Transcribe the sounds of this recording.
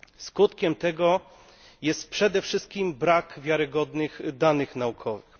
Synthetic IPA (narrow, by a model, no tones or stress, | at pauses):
skut̪kʲɛmt̪ɛɡɔ | jɛst̪̚pʂɛd̪ɛfʂɘst̪̚kʲimbɾakvʲjaɾɘɡɔd̪nɘxd̪anɘxnaukʰɔvɘx